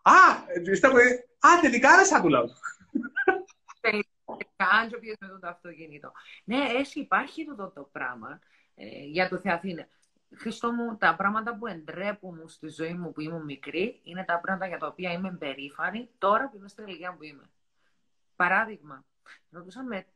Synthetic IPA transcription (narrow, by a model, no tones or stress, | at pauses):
ɐist̪ɐpue | ɐt̪elikɐnɐsɐt̪ulɐ | t̪eli | ɐɐnt͡ʃopçezmet̪ut̪oɐft̪ocinit̪o̞̰ne̞esiːpɐɾçit̪ot̪ot̪opɾɐ̰mɐ̰ | ʝɐt̪oθeɐθine | xɾist̪o̞mut̪ɐpɾɐmɐt̪ɐpue̞nd̪ɾe̞pumust̪izo̞imːupuimumːikɾiine̞t̪ɐpɾɐmɐt̪ɐʝɐt̪ɐopiɐime̞mbe̞ɾifɐnit̪o̞ɾɐpuimest̪ineliɣiɐmpuimḛ | pɐɾɐðiɣmɐ | ɾo̞t̪usɐme